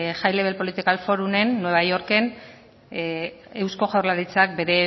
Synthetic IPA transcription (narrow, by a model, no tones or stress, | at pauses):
ʝajle̞βe̞lpo̞lit̪ikalfo̞ɾune̞nːwe̞βajo̞ɾke̞n | ewsko̞ɣawrlaɾit͡sak̚be̞ɾe̞